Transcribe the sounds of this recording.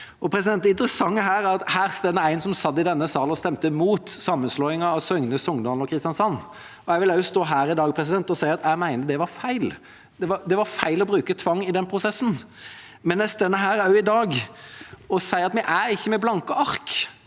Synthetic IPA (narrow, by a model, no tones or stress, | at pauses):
ɔpʰɾɛsɪd̪ɛnɛɪnt̪əɾəsɑŋːəɦæːɾæɑt̪hæːʁst̪ɛnːəæɪnsɔmsɑt̪ːəɪd̪ɛnːəsɑːlnɔst̪ɛmt̪əmuːt̪sɑːmːənslɔːɪŋɑɑʋsœŋnəsɔŋd̪ɑːlɔkʰɾɪst̪jɑnsɑnː | ɔɛʋɪlɑʉst̪oːɦæːɾɪd̪ɑːɡpʰɾɛs̬ɪd̪ɛnt̪ɔsæɪɑt̪æɪmæɪnəd̪ɛʋɑɾfæɪl | d̪ɛʋɑd̪ɛʋɑɾfæɪlɔbɾʉːkət̪ʰʋɑŋːɪd̪ɛnpʰɾʊsɛsːn̩ | mɛnːɛst̪ɛnːəɦæːɾœʉɪd̪ɑːɡ | ɔsæɪɑt̪mɛʔæɾɪçːəmɛblɑŋkɔɑɾk